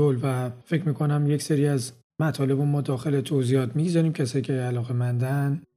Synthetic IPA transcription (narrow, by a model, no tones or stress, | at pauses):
olvæfe̞cʰmiːkʰo̞næmjecseɾiːæz | mæt̪ʰɒːle̞bomɒːd̪ɒːxe̞let̪ʰoziːhɒːt̪ʰmiɟzɒɾiːmcʰæsɒːjiːcʰʲeælɒːɣemænd̪æn